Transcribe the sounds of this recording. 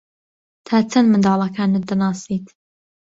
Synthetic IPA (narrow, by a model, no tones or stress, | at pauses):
t̪ʰaːt͡sʰɐnmɨnd̪ɑːlˠɐkʰaːnɨd̪ɐnaːsiːt̪